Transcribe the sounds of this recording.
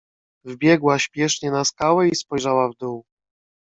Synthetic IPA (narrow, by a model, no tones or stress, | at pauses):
vbʲjɛɡwaɕpʲjɛʂɲɛnaskawɛispɔjʐawavd̪uw